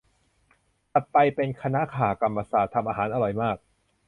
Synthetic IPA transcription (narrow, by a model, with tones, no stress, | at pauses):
t̪a˨˩t̪̚pa˧jpe˧nkʰa˧na˦˥kʰaː˨˩ka˧mːa˧saː˨˩t̪ʰːa˧mʔaː˧ɦaː˩˦nʔa˧ɾɔ˨˧˩jmaː˥˩k̚